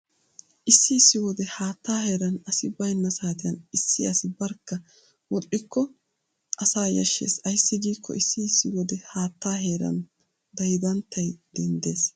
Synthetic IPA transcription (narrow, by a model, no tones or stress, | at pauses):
ʔɪsːɪɪsːɪwɔd̪ɛhaːt̪ːaːheːɾɐnɐsɪbɐjnːɐsaːt̪ɪjɐnɪsːɪɐsɪbɐɾkːɐ | wɔɗʼɪkːɔ | ʔɐsaːjɐʃːḛːsɐjsːɪɡiːkʰːɔ̰ʔɪsːɪːsːɪwɔd̪ɛhaːt̪ːaːɦe̞ːɾɐ̰n | d̪ɐjɪd̪ɐnt̪ːɐjd̪̥ɛnd̪e̞ːs